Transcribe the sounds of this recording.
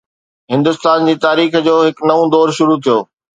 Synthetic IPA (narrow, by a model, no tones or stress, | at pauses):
ɦɪ̃nd̪ʊst̪aːnd͡ʑiːt̪aːɾiːxd͡ʑoːɦɪknɐʋũd̪ɔːɾʃʊɾut̪ʰijoː